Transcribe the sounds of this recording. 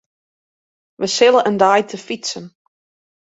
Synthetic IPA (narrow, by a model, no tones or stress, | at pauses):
ʋəsɪlˠəʔəndajtʰəfisən